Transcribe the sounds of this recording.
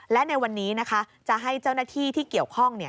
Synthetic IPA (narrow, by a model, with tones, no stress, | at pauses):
lɛ˦˥na˧jwa˧nːiː˦˥na˦˥kʰa˦˥ | t͡ɕa˨˩ɦa˥˩jt͡ɕa˥˩wnaː˥˩t̪ʰiː˥˩t̪ʰiː˥˩ki˨˩əwkʰɔ˥˩ŋni˥˩ɐ